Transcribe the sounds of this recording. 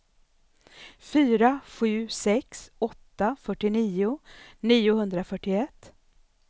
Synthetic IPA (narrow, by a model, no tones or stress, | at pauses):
fyːɾaɧʉ̟ːsɛksɔt̪ːafœʈːɪniːʊniːʊhɵnd̪ɾafœʈːɪɛt̪ː